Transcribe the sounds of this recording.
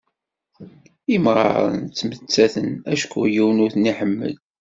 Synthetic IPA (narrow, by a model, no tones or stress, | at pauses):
imʁˤɑ̰ɾˤə̰nt͡sːmət͡sːæθənæʃkːujiwənʊθniħəmːə̰d̪